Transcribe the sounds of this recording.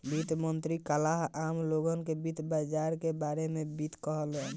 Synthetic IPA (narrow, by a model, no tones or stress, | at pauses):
bit̪mənt̪ɾikəlaɦamloɡənkebit̪bad͡ʒaɾkebaɾemebit̪kəɦəlɛn